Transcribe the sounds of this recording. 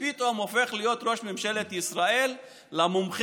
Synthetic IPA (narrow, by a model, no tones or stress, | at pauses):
it̪omofe̞χlijo̞t̪ʁo̞ʃmemʃe̞let̪isʁae̞lː | amumχ